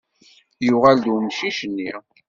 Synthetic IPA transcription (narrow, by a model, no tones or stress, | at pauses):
jʊʁald̪wmʃiʃənːi